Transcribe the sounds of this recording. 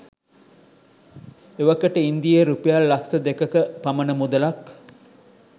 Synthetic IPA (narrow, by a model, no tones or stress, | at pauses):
eʋɐkəʈəind̪ijeɾupijalːɐksɐd̪ekəkəpɐmɐnəmud̪ɐlɐk